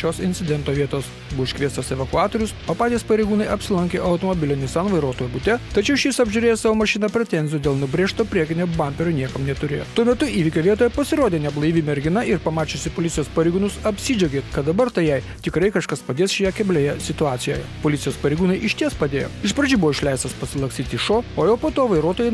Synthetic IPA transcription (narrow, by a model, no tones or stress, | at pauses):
ʃʲoːsɪnʲsʲɪd̪ʲɛnt̪oːʋʲiɛt̪oːs | buɔʃʲkʲʋʲiɛst̪oːsɛʋɐkʊɑːt̪oːɾʲʊsoːpɑːt̪ʲiːspɐɾʲɛɪɡuːnɐɪɐpʲsʲɪlˠɐŋʲkʲeːʔɐʊt̪oːmobʲɪlʲɪnʲɪsɐnʋɐɪɾoːt̪oːjubʊt̪ʲɛt̪ɐt͡ʃʲɛʊʃʲjɪsɐbʲʒʲʊɾʲeːjosɑːʋoːmɐʃʲɪnɐpʲɾʲɛt̪ʲɛnʲzʲɪjuːd̪ʲeːlˠnʊbʲɾʲeːʃt̪oːpʲɾʲiɛkʲɪnʲobɐmʲpʲeɾʲoːnʲiɛkɐmnʲɛt̪ʊɾʲeːjo̰ːt̪uɔmʲɛt̪ʊiːʋʲɪkʲoːʋʲiɛt̪oːjɛpɐsʲɪɾoːd̪ʲeːnʲɛblˠɐɪʋʲɪmʲɛɾʲɡʲɪnɐɪɾpɐmɑːt͡ʃʲoːsʲɪpoːlʲɪt̪sʲjoːspɐɾʲɛɪɡʊnʊsɐpʲsʲɪd͡ʒʲɛɡʲeːt̪kɐt̪̚d̪ɐbɐɾt̪ɐɪjɛɪ | t̪ʲɪkɾɐɪkɐʃkɐspɐd̪eːsʃʲɛjɛkʲɛbʲlʲeːjɛsʲɪt̪ʊɑːt̪sʲɪjoːjɛpoːlʲɪt̪sʲjoːspɐɾʲɛɪɡuːnɐɪʔɪʃʲt̪ʲiɛspɐd̪ʲeːjo̰ːɪʃpɾɐd͡ʒʲiːbʊʋɔːɪʃʲlʲæɪst̪ɐspɐsʲɪlˠɐksʲiːt̪ʲɪʃoːoːjɛːpoːt̪oːʋɐɪɾoːt̪oːjɛɪ